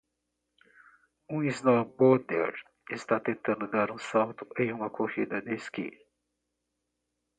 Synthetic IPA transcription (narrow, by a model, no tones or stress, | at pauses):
ũiznɔbɔd̪ḛɾ | ɪst̪at̪ẽnt̪ɐ̃nd̪ʊd̪aɾũsawt̪ʊ̥ʔẽj̃ũmɐkʰohid̪ɐd̪eskḭ̃